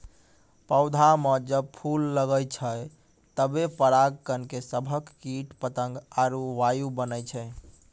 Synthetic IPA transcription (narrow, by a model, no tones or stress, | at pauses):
pəʊd̪ʱaməd͡ʒəb̚pʰulːəɡəjt͡ʃʰəj | t̪əbepəɾaɡ̚kənkesəbʱəkːiʈpət̪əŋɡaɾuʋajubənəjt͡ʃʰə